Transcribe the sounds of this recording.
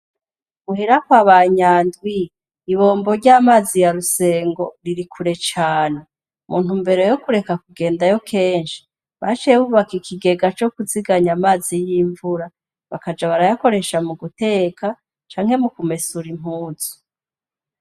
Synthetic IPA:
muhiɾakwaβaɲaːndwiː | βo̞ːmbo̞ɾɟaːmaːzijaɾuse̞ːŋɡo̞ɾiɾikʰuɾe̞t͡ʃaːne̞ | mʔuːn̥humbe̞ɾo̞jo̞kuɾe̞kakuɡe̞ːndajo̞kʰe̞ːnʃi̥ | βat͡ʃijeβuβakikʰiɡe̞ɡat͡ʃo̞kuziɡaɲamaːzijiːɱvuɾa | βakad͡ʒaβaɾajako̞ɾe̞ʃamuɡute̞ːkʰa | t͡ʃaːŋhe̞mukume̞suɾim̥uːz̥u̥

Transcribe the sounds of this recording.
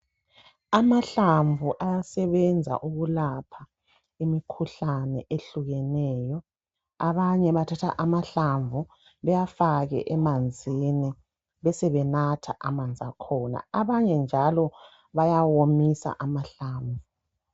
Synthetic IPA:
amaɬaɱvʱuʔajasɛβɛnd͡zʱa̰ʔuɣulapʰa | imikʰuɬanɛ̰ʔeɬuɣɛnɛːjɔ | aβaɲɛβatʰatʰa̰ʔamaɬaɱvʱu | βɛjafaɣɛ̰ʔɛmand͡zʱini | βɛsɛβɛnatʰa̰ʔamand͡zʱakʰɔːna̰aβaɲɛnd͡ʒʱalɔ | βajawomisa̰ʔamaɬaːɱvu

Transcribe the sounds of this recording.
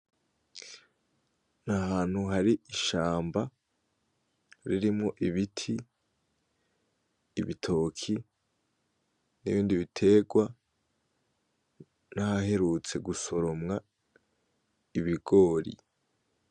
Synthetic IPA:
nahaːn̥huɦaɾiiʃaːmba | ɾiɾimŋo̞ʔiβitʰi | βitʰo̞ːkʰi | nḭβiːndiβitʰe̞ɡwa | nahahe̞ɾut͡se̞ɡuso̞ɾo̞mŋa | iβiɡo̞ːɾḭ

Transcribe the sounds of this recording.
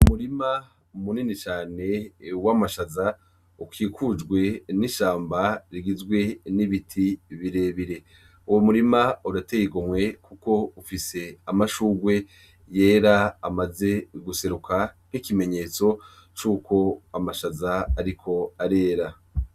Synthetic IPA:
umuɾima | muninit͡ʃaːne̞wamaʃaza | ukiːkʰud͡ʒɡwe̞niʃaːmbaɾiɡizɡwe̞niβitʰiβiɾe̞βiɾe̞ | uwomuɾimauɾatejiɡomwe̞kuko̞ufise̞amaʃuːɡwe̞ | je̞ːɾaːmaze̞ɡuse̞ɾukʰanikime̞ɲe̞ːt͡so̞ | t͡ʃuːkʰo̞amaʃazaːɾikʰo̞aɾe̞ːɾa

